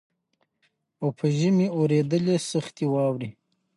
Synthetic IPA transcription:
opʰəʒəmioɾed̪əlesaxt̪iwɑwɾi

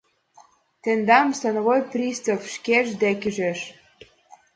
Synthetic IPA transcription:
t̪end̪ɑmsɑnovojprʲist̪ofʃkeʒd̪ækyʒeʃ

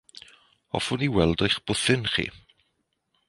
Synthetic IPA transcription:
ɔ̰fʊniwɛlˠdojχb̥ʊθɪnχḭː

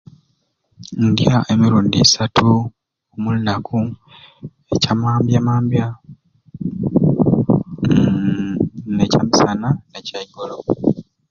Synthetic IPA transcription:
ndjaʔe̞miɾuːndisatʰu | omulunakʰu | e̞camaːmbjamaːmbja | necamisananecaiɡolo

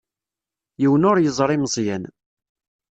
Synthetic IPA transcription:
jiwnʊɾjəzˤɾˤɪmzˤjæn

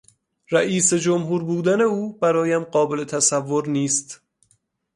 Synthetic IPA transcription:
ɾæʔiːse̞d͡ʒomɦuːɾbuːd̪æne̞uːbæɾɒːjæmɢɒːbe̞le̞t̪ʰæsævːoɾniːst̪

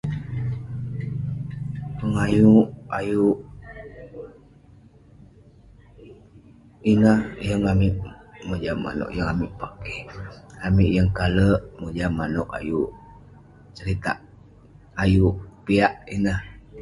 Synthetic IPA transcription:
pəŋajuʔajuʔ | inahjəŋamiʔmod͡ʒamːa̰no̰ʔjəŋamiʔpakeamiʔjəŋkaləʔmod͡ʒamanoʔa̰juʔ | t͡ʃəɾit̪a̰ʔ | ajuʔpiaʔinah

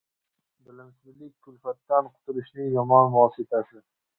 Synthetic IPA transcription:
bɪlɪmsmɪlɪk̚ʲkʰːʊlfat̪ːanqʰʊ̥t̪ʰʊɾɪʃnɪjɒmɒnvɒsɪt̪ʰasɪ

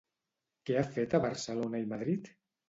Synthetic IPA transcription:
kɛafet̪aβəɾsəlonaimaðɾit̪

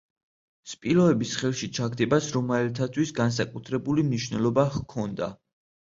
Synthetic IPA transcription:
spʼilˠɔɛbisχɛlˠʃit͡ʃʰaɡd̪ɛbasɾɔmɛɛlt̪ʰat̪ʰwisɡans̬akʼut̪ʰɾɛbulimniʃnɛlˠɔbakʰɔnd̪a̰

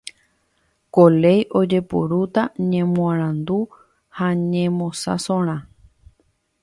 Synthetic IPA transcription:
kole̞jʔo̞d͡ʒe̞po̰ɾut̪aɲẽmũãɾ̃ãnd̪u | haɲẽmõsa̰sõɾ̃ã

